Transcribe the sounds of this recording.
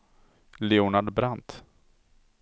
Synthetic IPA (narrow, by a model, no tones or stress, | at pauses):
leunaɖbɾant̪